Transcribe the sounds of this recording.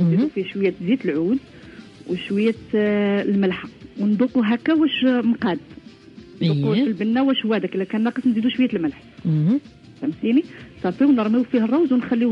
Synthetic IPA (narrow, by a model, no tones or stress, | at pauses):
nzid̪ufiʃwəjːæt̪zit̪əlʕud̪ | wʃwəjːæ | lməlħawnd̪uquɦækːæwæʃmqɑd̪ | nd̪uqufilbənːæwæʃhwæd̪ækəlːækænːɑqəsnzid̪uʃwəjːæt̪əlməlħ | tæmsinisˤɑfiwnəɾˤmiwfihərˤːɑwzwnxælːi